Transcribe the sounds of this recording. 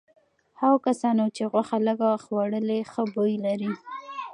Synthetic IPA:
haɣkasɑnot͡ʃeɣwaxaləɡaxwaɽəlexəbojlaɾi

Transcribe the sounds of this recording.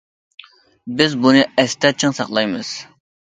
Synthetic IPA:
bɪzbunɨɛst̪ɛt͡ʃʰɪŋsɑχlˠɑjmɨz̥

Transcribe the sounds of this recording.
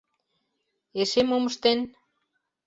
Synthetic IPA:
eʃemoməʃt̪en

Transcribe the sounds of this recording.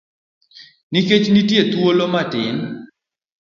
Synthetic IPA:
niket͡ʃnitjet̪wolomatɪn

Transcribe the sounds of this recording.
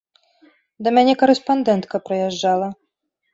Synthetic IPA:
d̪ɐmʲanʲɛkɐɾɛspand̪ɛnt̪kɐpɾɐjɛʐːalˠɐ

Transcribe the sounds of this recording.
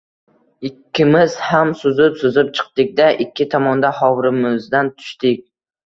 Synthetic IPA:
ɪkʲːɪmɪz̥hamsʊzɪpsʊzɪp̚t͡ʃʰɨ̥q̚t̪ɪk̚ʲd̪aʔɪkʲʰːɪt̪ʰɒmɒnd̪ahɒwɾɪmɪzd̪ant̪ʰʊ̥ʃt̪ɪk̚ʲ

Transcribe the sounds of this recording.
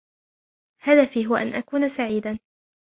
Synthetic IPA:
haðafiːɦʊwaʔanʔakuːnasaʕiːd̪a

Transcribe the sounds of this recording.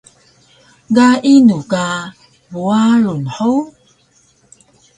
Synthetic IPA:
ɡainuka | buaɭunħu

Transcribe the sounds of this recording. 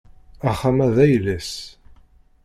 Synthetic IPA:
æχːamæðæjlæs

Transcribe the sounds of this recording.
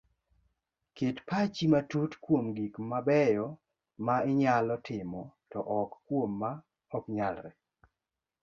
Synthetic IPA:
ketpat͡ʃimatutkwomɡikmabɛjɔ | maɪɲalɔtɪmɔtɔʔɔkkwomːa | ɔkɲalɾɛ

